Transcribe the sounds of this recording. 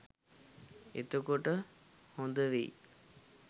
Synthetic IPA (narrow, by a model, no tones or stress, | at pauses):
ḛt̪ukoʈə | hond̪əʋḭː